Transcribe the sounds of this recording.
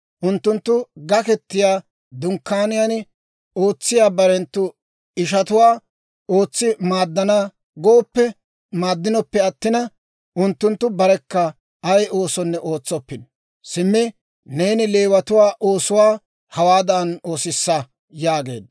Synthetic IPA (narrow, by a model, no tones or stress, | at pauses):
ʔʊnt̪ːʊnt̪ːʊɡɐkɛt̪ːɪjaː | d̪ʊŋkːaːnɪjanɪ | o̞ːt͡sːɪjaːbɐɾɛnt̪ːʊ | ɪʃɐt̪ʊwaː | o̞ːt͡sːɪmaːd̪ːɐna | ɡoːpːɛ | maːd̪ːɪnɔpːɛɐt̪ːɪnɐ | ʔʊnt̪ːʊnt̪ːʊbɐɾɛkːɐ | ɐjʔo̞ːsɔnːɛʔo̞ːt͡sːɔpːɪn | sɪmːɪ | ne̞ːnɪle̞ːwɐt̪ʊwaːʔoːsʊwaː | hɐwaːd̪ɐno̞ːsɪsːɐ | jaːɡe̞̰ːd̪